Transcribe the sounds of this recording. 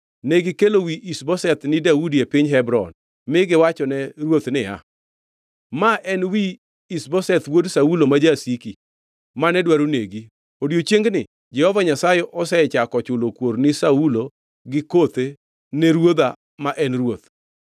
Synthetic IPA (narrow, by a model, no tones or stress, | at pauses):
neɡɪkelowiʔisbɔsɛt̪nɪdaudiepɪɲɦɛbɾɔ̰n | mɪɡɪwat͡ʃɔnɛɾwot̪nɪa̰ | maʔɛnwiː | sbɔsɛt̪wodsaulomad͡ʒasiki | manɛdwaɾuneɡi | odjot͡ʃjeŋɡnɪ | d͡ʒɛhɔvaɲasajɛʔɔsɛt͡ʃakɔt͡ʃʊlokwoɾnɪsaulo | ɡɪkot̪e | neɾwod̪a | maʔɛnɾwot̪